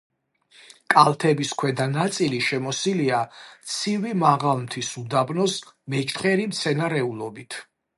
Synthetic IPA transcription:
kʼalˠt̪ʰɛbiskʰwɛd̪anat̪sʼiliʃɛmɔsiliat̪sʰivimaʁalˠmt̪ʰisud̪abnɔsmɛt͡ʃʰt̪ʰχɛɾimt̪sʰɛnaɾɛulˠɔbit̪ʰ

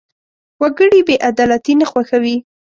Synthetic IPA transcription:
waɡəɽibeʔad̪ɑlat̪inaxwaxawi

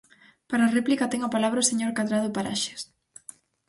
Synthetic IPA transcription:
paɾareplikat̪ɛŋapalaβɾaʊseɲoɾkaðɾaðʊpaɾa̰ʃe̥s

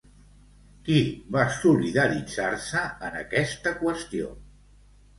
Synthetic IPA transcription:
kiβasuliðəɾid͡zaɾsəənə̰kɛst̪əkwəst̪io̰

